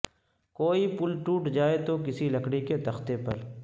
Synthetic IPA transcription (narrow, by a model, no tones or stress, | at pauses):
koːipʊlʈuːʈd͡ʒaːet̪ok̬ɪsilɐkɽiket̪ɐxt̪epɐ̰ɾ